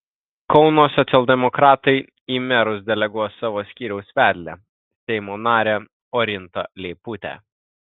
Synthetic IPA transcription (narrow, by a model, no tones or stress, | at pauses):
kɒʊnoːsɔt̪sʲɛlʲˠd̪ʲɛmɔkɾɑːt̪ɐɪ | iːmʲɛɾʊs̬d̪ʲɛlʲɛɡuɔjsɑːʋoːsʲkʲiːɾʲɛʊsʋʲæːd̪ʲlʲɛ | sʲɛɪmoːnɑːɾʲeː | ɔɾʲɪnt̪ɐlʲeːput̪ʲæ̰